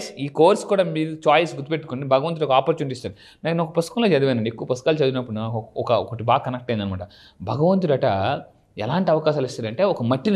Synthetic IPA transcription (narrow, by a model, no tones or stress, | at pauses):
siːkoːɾskuːɽaːmiːɾut͡ʃaːjsɡut̪ːipeʈːukonɖibʱɐɡɐʋɐnt̪uɾɔkɐaːpɐɾt͡ʃuːnʈist̪ɐːɾi | naːkɐnɔkɐpɐst̪ukɐ̃nloːt͡ʃed̪uʋɐjnːɐɳɖiekːuʋɐpɐst̪ukaːlt͡ʃed̪unːɐpːuɽunaɔkɐɔkoʈːibaːkːɐnɐk̚ʈɐjind̪ɐnimaːʈɐ | bʱɐɡɐʋɐnt̪̬uɾɐʈɐ | ɛ̰laːɳʈiɐʋɐkaːʃaːlist̪ɐnd̪ɐɳʈeːɔkɐmɐʈːin